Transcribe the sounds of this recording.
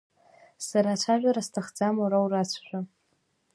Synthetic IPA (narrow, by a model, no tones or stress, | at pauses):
saɾat͡ʃʷʰaʒᶣʷaɾastʰaχd͡zamoɾawrat͡ɕʷʰʃʷᶣa